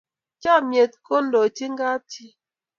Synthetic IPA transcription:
t͡ʃa˦mje˨t̚ko˦n̩˦do˨ti˦ŋ̩˦ɡa˦ti˦

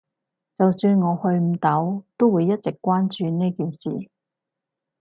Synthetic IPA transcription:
t͡sɐ˨wsyː˧nŋɔː˨˧hɵ˧ɥm̩˨˧t̪ɐ˨˥wt̪o˥wuː˨˧jːɐ˥t̚t͡sɪ˨˩kʷːaː˥nt͡ʃyː˨˧neː˥jkiː˨nsḭː˨˩

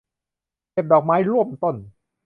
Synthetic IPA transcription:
ke˨˩p̚dɔː˨˩k̚maː˦˥jɾu˥˩əmt̪o˥˩n

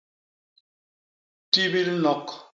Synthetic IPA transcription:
ti˦bi˦lnɔ˨k

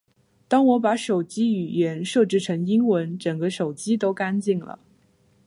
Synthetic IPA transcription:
t̪ɑ˥ŋwɔ˧˥p̬a˧˥ʂo˨˩ʊt͡ɕi˥y˨˩jɛ˧˥nʂɤ˥˧ʈ͡ʂɻ̩˥˩ʈ͡ʂʰɤ˧˥ŋi˥ŋwə˧˥nʈ͡ʂə˨˩ŋɡə˦ʂo˨˩ʊt͡ɕi˥t̪o˥ʊka˥nt͡ɕi˥˩ŋlə̰˩

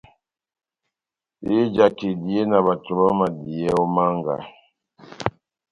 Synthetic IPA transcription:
e˦d͡ʒa˨ke˨di˨e˦na˨ba˨tu˨ba˦ma˨di˨ɛ˦ɔ˦ma˦ŋɡa̰˨

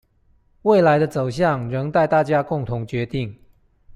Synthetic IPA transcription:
we˥˩ɪla˧˦ɪd̪ə˧t͡so˨˩ʊɕjɑ˥˨ŋɻə˧˥ŋt̪a˥˧ɪt̪a˥˨˩t͡ɕja˦˥kʊ˥˩ŋt̪ʰʊ˧˥ŋt͡ɕɥɛ˧˥t̪i˥˩ŋ

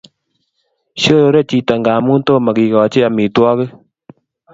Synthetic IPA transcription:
ʃo˦ɾo˧˦ɾe˦˨t͡ʃi˧ta˨ŋɡa˨mu˦nto˦˨ma˨ki˨kɔ˨t͡ʃe˦a˧mi˨twɔ˦kɨ˦

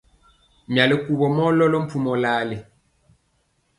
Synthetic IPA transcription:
mja˨le˨ku˨bɔ˨mɔ˦lɔ˦lɔ˦m̩˦pu˦mɔ˨laː˦le˨

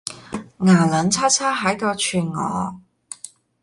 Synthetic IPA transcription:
ŋaː˨˩lɐ˨˧nt͡sʰaː˥t͡sʰaː˥ɦɐ˨˥jkɔː˧t͡ʃʰyː˨˩nŋɔ̰ː˨˧

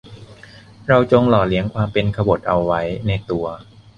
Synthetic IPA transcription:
ɾa˧wt͡ɕo˧ŋlɔː˨˩li˦˥əŋkʰwaː˧mpe˧nkʰa˧bo˨˩t̪̚ʔa˧wːa˦˥jna˧jt̪u˧ɐ

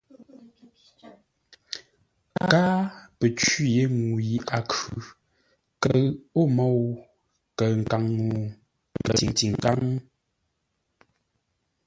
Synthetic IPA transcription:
a̰˦kaː˦pə˨t͡ʃi˦˨je˨˦ŋːu˨ji˨ʔa˨kʉ˨ | kə˨o˦mɔ˦˨w | kə˨ŋ̩˨ka˨ŋnu˨ | kə˨i˨ŋti˨ŋ˨ka˦ŋ˦

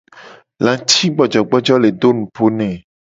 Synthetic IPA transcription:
lã˨t͡ɕi˦ɡ͡bɔ˨d͡ʒɔ˨ɡ͡bɔ˦d͡ʒɔ˦le˨do˦nũ˨po˦nɛ̃˨

